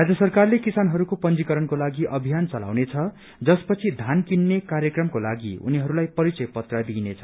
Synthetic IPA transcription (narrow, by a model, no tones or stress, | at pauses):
rad͡zjʌsʌrkarlekisanɦʌɾukopʌnd͡zikʌɾʌnkolaɡiʔʌbʱijant͡sʌla̰wnet͡sʰʌ | d͡zʌspʌt͡sʰid̪ʱankinːekarjʌkrʌmkolaɡiṵniɦʌɾulajpʌɾit͡sʌjpʌt̪rʌd̪inet͡sʰʌ̥